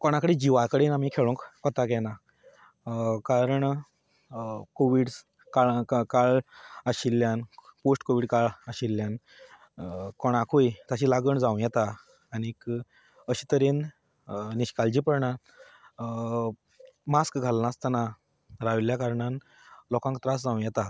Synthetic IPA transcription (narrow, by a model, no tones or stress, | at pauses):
kɔɽ̃akəɽid͡ʑiʋakəɽinamikʰeɭũŋkkɔt̪akɛna | kaɾəɳ | koʋiːɽ | kakaɭaɕilːjanpoʂʈkoʋiːɽkaɭaɕilːjãn | kɔɽ̃akʰujt̪aɕilaɡəɳd͡zawũjɛt̪aː | ñik | əɕit̪əɾen | niɕkald͡ʑipəɾɳa | maskɡʱalnast̪ana | ɾaʋiljakaɾɳan | lɔkãŋkt̪ɾasd͡zãw̃jɛt̪a